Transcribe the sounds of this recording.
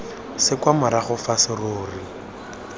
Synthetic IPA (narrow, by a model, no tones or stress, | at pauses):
sɪkwamʊɾaχʊfasɪroːri